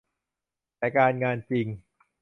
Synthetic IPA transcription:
lɛ˧˩kaː˧nŋaː˧nt͡ɕi˧ŋ

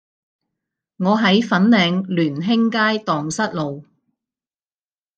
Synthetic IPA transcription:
ŋɔː˨˧ɦɐ˨˥jfɐ˨˥nlɛː˨˧ŋlyː˨˩nɦɪ˥ŋkaː˥jt̪ɔː˨ŋsɐ˥t̚lo˨w

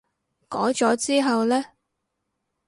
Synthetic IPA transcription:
kɔː˨˥t͡sɔː˨˥t͡siː˥ɦɐ˨wlɛː˥

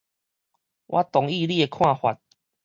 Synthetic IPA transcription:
wʔa˦t̪ɔ˨ŋi˥˧˨li˦e˧kʰw̃ã˥˧˨hwa˨t̚

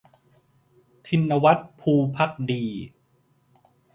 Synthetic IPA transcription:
t̪ʰi˧nːa˧wa˦˥t̪̚pʰuː˧pʰa˦˥k̚diː˧

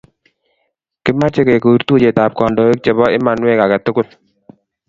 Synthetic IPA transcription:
kɪ˦ma˦t͡ʃe˦ke˨ko˨˦ɾt̪u˦t͡ʃe˨ta˨p̚kɔ˨ndo˨e˦k̚t͡ʃe˨βɔ˦ʔɪ˦ma˨nwe˦ka˨ka˨tʊ˦kʊ˦t

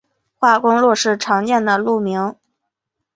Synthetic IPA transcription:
xwa˥˩kʊ˥ŋlwɔ˥˧ʂɻ̩˥˩ʈ͡ʂʰɑ˧˥ŋt͡ɕjɛ˥˩nd̪ə˩lu˥˩mi˧˥ŋ

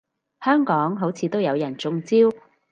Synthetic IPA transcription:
hœː˥ŋkɔː˨˥ŋɦo˨˥wt͡sʰiː˨˧t̪o˥wjɐ˨˧wjɐ˨˩nt͡sʊ˧ŋt͡siː˥w

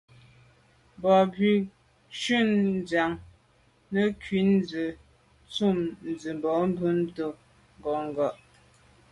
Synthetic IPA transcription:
bɔ˨bɥi˨ | ʃʉ˦˨nd͡za˨ŋ | nə˦kɥi˨˦n˦d͡zə˨ | t͡su˦˨mn̩˨d͡zə˨m˨bɔ˨˦m̩˦bʉ˦n˦to˦ | ŋ˦ɡɔ˨ŋ̩˦˨ɡɔ˨ʔ

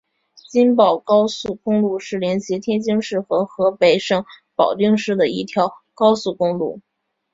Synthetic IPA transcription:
t͡ɕi˥npɑ˨˩ʊkɑ˥ʊsu˥˩kʊ˥ŋlu˥˧ʂɻ̩˥˩ljɛ˧˥nɕi˧˥t̪ʰjɛ˥nt͡ɕi˥ŋʂɻ̩˥˩xɤ˧˥xɤ˧˥pe˧˩ɪʂɤ˥˩ŋpɑ˨˩ʊt̪i˥˧ŋʂɻ̩˥˩d̪ə˩i˥˩t̪ʰjɑ˧˥ʊkɑ˥ʊsu˥˩kʊ˥ŋlṵ˥˩

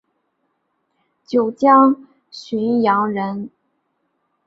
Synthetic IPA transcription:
t͡ɕjo˨˩ʊt͡ɕjɑ˥ŋ | ɕy˧˥njɑ˧˥ŋɻə˧˥n

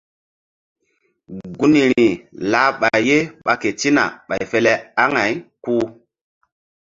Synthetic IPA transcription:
ɡu˦ni˨ɾi˨la˨˦ɓa˨jje˦ɓa˦ke˨ti˦na̰˨ɓa˨jfe˦le˦a˦ŋa˨jku˦

